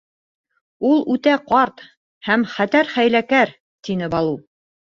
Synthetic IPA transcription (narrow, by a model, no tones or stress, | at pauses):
ulˠʉt̪æqɑɾt̪ | hæmχæt̪æɾχæjlækæɾ | t̪inɘbɑlˠu